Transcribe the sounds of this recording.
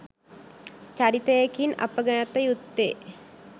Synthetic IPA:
t͡ɕaɾit̪əjekinɐ̰pəɡɐnət̪əjut̪ːeː

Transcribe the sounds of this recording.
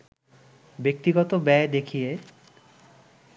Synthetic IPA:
bek̚t̪iɡɔt̪obɛed̪ekʰije

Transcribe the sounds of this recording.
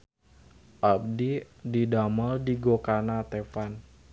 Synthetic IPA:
ʔab̚di | didaməldiɡokanat̪efan

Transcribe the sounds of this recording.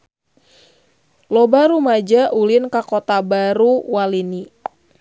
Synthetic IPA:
lɔbaɾumad͡ʒaʔulinkakɔt̪abaɾuwalini

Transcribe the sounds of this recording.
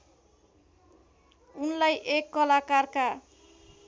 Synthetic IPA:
unlajʔekːʌlakarka

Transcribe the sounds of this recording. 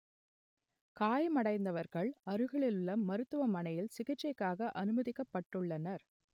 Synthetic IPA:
kaːjmɐɽɐɪnd̪ɐʋɐɾɣɐɭɐɾɯɣɐɭɪlɯɭːɐːɐɾɯt̪ːɯʋɐmɐnɐjɪlsɪɣɪʈt͡ʃɐɪkːaːɣɐʔɐnɯmɐðɪkːɐpːɐʈːɯɭːɐnɐɾ

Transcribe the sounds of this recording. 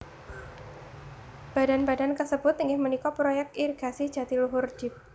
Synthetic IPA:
b̥a̤danbadankəsəb̥ʊt̪ːiŋɡɪhmənikɔpɾojɛk̚t̪irɡ̥asid̥ʒ̥a̤t̪iluɦʊr̥d͡ʒ̥ɪp̚

